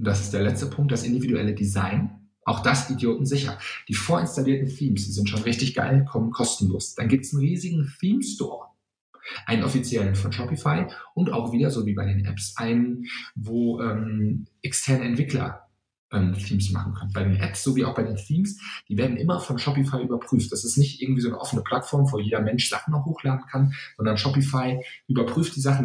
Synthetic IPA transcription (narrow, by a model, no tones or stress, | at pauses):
ʊnd̥asɪstd̥eːɐlɛt͡stəpʰʊŋk̚t̚d̥asʔɪndividuʔɛ̰lədiza̰ɪn | ʔaʊxd̥asʔidjoːtn̩zɪçɐ̰d̥iːfoːɐɪnstaliːɐtn̩θiːmsd̥iːzɪntʃoːnʁɪçtɪçɡ̥a̰ɪlkʰɔmənkʰɔstn̩lo̰ːsd̥anɡiːp̚tsn̩ʁiːzɪɡŋ̩θiːmstɔ̰ːɐ | ʔaɪnənʔɔfit͡sjɛlənfɔnʃɔpifaɪʔʊnta̰ʊxv̥iːdɐzoːviːbaɪdeːnʔɛ̰psʔa̰ɪnənvoːʔɛːmʔɛkstʰɛɐnəɛ̰ntv̥ɪklɐ̰ | ʔɛːmθiːmsma̰χn̩kʰœnənbaɪdeːnʔɛ̰psz̥oːviːa̰ʊxb̥aɪdeːnθiːmsd̥iːveːɐdn̩ʔɪmɐfɔnʃɔpifaɪʔyːbɐpʁ̥yːftd̥asɪstnɪçtʔɪɐɡŋ̩tv̥iːzoːnəʔɔfənəpʰl̥atfɔɐmvoːjeːdɐmɛnʃz̥aχn̩aʊxhoːxlaːdn̩kʰanz̥ɔndɐnʃɔpifaɪʔyːbɐpʁ̥yːft̚d̥iːzaχn̩